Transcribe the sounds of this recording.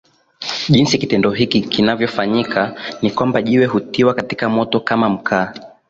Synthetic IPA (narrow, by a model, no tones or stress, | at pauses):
ʄinsikitɛndɔɦikikinavjɔfaɲikʰanikwambaʄiwɛhutiwakatikamɔtɔkamam̩kʰaː